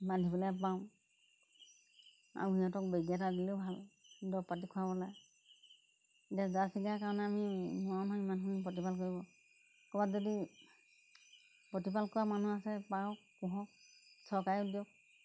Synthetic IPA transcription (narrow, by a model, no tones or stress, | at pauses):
madʱibɔlɛpaʊ̃ | a̰ijatɔk̚beɡjatadilebʱaldɔpatikʰuabɔlaj | tazasiɡakaɹɔnɛamimɔɔnɦɔimankʰunpɔtipalkoɹibɔ | kɔbazɔdi | pɔtip̬alkʰɔwamanuasɛpaɔkuɦɔ̃ksʰɔkajudijɔk̚